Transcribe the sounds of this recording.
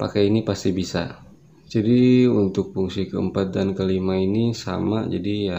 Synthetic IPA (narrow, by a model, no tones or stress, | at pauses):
pa̰kainipast̪ibisa̰ | d͡ʒadiunt̪ʊk̚puŋsikəə̰mpat̪̚dankəlimainisa̰ma̰d͡ʒa̰dija